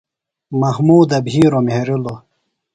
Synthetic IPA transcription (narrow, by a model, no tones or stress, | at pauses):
mɐhmuːd̪ɐbʱiːɾomeɾilo